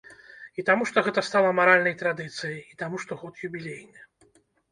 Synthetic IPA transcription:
it̪amuʂt̪ɔɣɛt̪ɐst̪alˠɐmaɾalʲnɐjt̪ɾad̪ɨt̪sɨjɐjit̪amuʂt̪ɔɣɔt̪jubʲilʲejnʲɨ

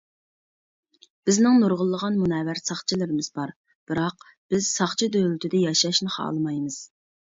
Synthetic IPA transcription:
b̥ɪznɪŋnoɾʁʊlˠːəʁɑnmunɛːvæɾsɑχt͡ʃʰilɪɾɪmɪz̥bɑɾ | b̥ɨɾɑq | b̥ɪz̥sɑχt͡ʃʰid̪øjlɪt̪ʰɪd̪ɛjɑʃɑʃnɨχɑ̰ːlˠɨmɑjmɨz̥

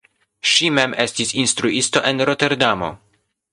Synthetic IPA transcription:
ʃimemʔe̞stisinstɾuisto̞ʔe̞nɾo̞te̞ɾdamo̞̰

